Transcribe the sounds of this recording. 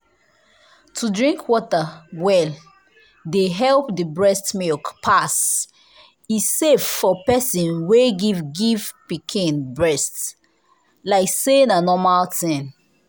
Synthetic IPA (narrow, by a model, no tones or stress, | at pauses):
tʰudɹĩŋkʰwɔtawɛl | deɦɛlpdibɹɛstmilkpʰas | iseffɔpɛsĩnweɡivɡivpikʰĩnbɹɛst | laɪksenanɔmaltĩn